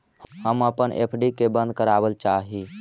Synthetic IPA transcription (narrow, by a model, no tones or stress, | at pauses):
həməpənʔḛpʰɖikebə̃nd̪̚ʱkəɾabəlt͡ʃaɦi